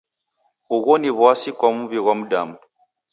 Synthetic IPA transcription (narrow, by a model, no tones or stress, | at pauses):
uɣɔniβwasikwamuβiɣwam̩da̰mu